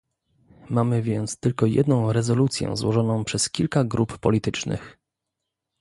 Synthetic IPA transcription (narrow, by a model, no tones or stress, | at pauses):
mamɘvʲjɛnt̪st̪ɘlkɔjɛ̰d̪nɔ̃w̃ɾɛzɔlut̪sʲjɛ̰̃zwɔʐɔnɔ̃w̃pʂɛskʲilkaɡɾuppɔ̰lʲit̪ɘt͡ʂnɘ̰x